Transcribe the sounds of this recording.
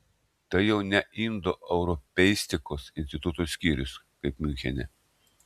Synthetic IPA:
t̪ɐɪjɛʊnʲɛʔind̪oʔɛʊɾɔpʲɛɪsʲt̪ʲɪkoːsɪnsʲt̪ʲɪt̪ʊt̪oːsʲkʲiːɾʲʊs | kɐɪpmʲynʲxʲɛ̰nʲɛ̰

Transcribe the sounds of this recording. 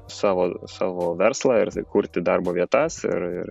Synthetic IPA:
sɑːʋoːsɑːʋoːʋʲɛɾslˠɑɪɾkuːɾʲt̪ʲɪd̪ɑrboːʋʲiɛt̪ɑsɪ̰ɾɪ̰r

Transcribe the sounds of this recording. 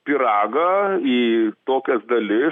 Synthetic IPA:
pʲiɾɑːɡɐiːt̪oːkʲɛsd̪ɐlʲɪ

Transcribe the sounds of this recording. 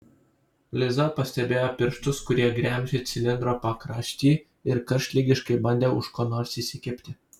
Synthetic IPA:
lʲɪzɐpɐsʲt̪ʲɛbʲeːjoːpʲɪɾʃt̪ʊskʊɾʲiɛɡɾʲæːˑmʲʒʲeːt̪sʲɪlʲɪnd̪ɾoːpɐkɾɑːʃʲt̪ʲiː | ɪɾkɐɾʲʃʲlʲɪɡʲɪʃkɐɪbɐnʲd̪ʲeːʊʃkoːnoːɾsisʲɪkʲɪpʲt̪ʲɪ

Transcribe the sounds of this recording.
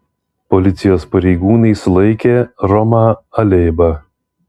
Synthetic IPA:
pɔlʲɪt̪sʲɪjoːspɐɾʲɛɪɡuːnɐɪslˠɐɪkʲeːɾɔmɐɐlʲeːbɐ

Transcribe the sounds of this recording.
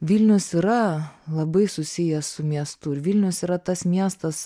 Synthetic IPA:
ʋʲilʲnʲʊsiɾɐlˠɐbɐɪsʊsʲɪjɛssʊmʲiɛst̪ʊɪɾʋʲɪlʲnʲʊsiɾɐt̪ɐsmʲiɛst̪ɐs

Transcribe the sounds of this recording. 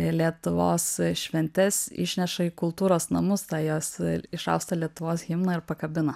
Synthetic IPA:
lʲiɛt̪ʊʋoːsʃʲʋʲɛnʲt̪ʲɛsɪ̰ʃʲnʲɛʃɐɪːkʊlˠt̪uːɾoːsnɐmʊst̪ɑːjoːsɪʃɐ̰ʊst̪ɐlʲiɛt̪ʊʋoːsɣʲɪmnɐɪɾpɐkɐbʲɪnɐ

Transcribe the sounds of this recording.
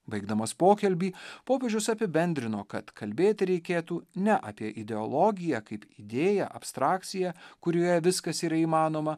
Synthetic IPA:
bɐɪɡd̪ɐmɐspoːkʲɛlʲbʲiːpoːpʲeːʒʲʊsɐpʲɪbʲɛnʲd̪ʲɾʲɪnoːkɐt̪kʰɐlʲbʲeːt̪ʲɪɾʲɛɪkʲeːt̪uːnʲɛʔɑ̰ːpʲiɛʔɪd̪ʲɛɔlˠɔɡʲɪjɛkɐɪpid̪ʲeːjɛʔɐ̰pst̪ɾɑːk̚t̪sʲɪjɛkʊɾʲoːjɛʋʲɪskɐsiːɾɐiːmɑːnoːmɐ

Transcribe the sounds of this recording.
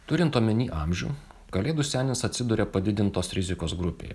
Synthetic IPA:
t̪ʊɾʲɪnt̪oɔmʲɛnʲiːʔɑmʲʒʲṵː | kɐlʲeːd̪ʊsʲæːnʲɪsɐt̪ʲsʲɪd̪ʊɾʲeːpɐd̪ʲɪd̪ʲɪnt̪oːsɾʲɪzʲɪkoːsɡɾʊpʲḛːj

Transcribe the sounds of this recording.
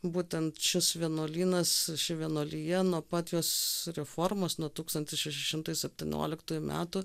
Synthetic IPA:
buːt̪ʲɛnt̪ʃʲɪsʋʲiɛnoːlʲiːnɐsʃʲɪʋʲiɛnoːlʲiːjɛnuɔpɑːt̪ʲjoːsɾʲɛfoːrmoːsnuɔt̪uːkst̪ɐnt̪ʲɪsʃʲɛʃʲɪʃʲɪmt̪ɐjsʲɛpʲt̪ʲiːnʲo̰ːlʲɪkt̪uːjʊmʲæ̰ːt̪ʊ

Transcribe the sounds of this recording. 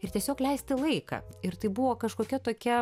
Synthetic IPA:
ɪrt̪ʲiɛsʲoːklʲɛɪsʲt̪ʲɪlˠɐɪkɑ̰ɪɾt̪ɐɪbuʋoːkɐʃkoːkʲɛt̪oːkʲɛ

